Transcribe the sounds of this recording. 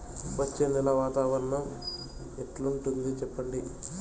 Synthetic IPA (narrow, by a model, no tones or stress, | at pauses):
ʋɐt͡ʃːeːnd̪ilɐʋaːt̪aːʋɐɾɐɳɐm | ɛʈluɳʈund̪it͡ʃɛpːɐɳɖi